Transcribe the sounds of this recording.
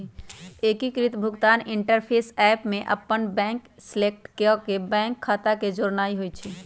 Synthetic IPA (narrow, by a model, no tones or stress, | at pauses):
ekikɾit̪bʱʊɡt̪aniɳʈəɾpʰesɛpmẽʔə̰pːənbɛ̃ŋkslek̚ʈkkebɛ̃ŋkʰːat̪aked͡ʒoɾnaiɦojt͡ʃʰi